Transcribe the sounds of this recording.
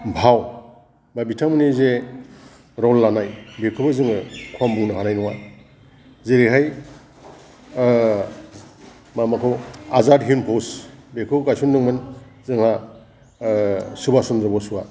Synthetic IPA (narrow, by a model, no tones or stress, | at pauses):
bʱaw | babitʰamɯnize | ɾɔlːanajbekʰɯbɯzɯŋɯkʰwambuŋnɯɦanajnɔwa | zeɾiɦaj | mamakʰɯwazadɦinpʰɔsbekʰɯkajsunːɯŋmɯn | zɯŋha | subasɔndɾɔbɔsua